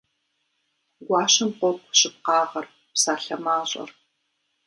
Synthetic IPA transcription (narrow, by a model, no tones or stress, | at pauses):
ɡʷɑːʃɪmqʷɔkʷʰɕɪp̚qɑːʁɐr | psaːɬɐmaːɕʼɐ̰r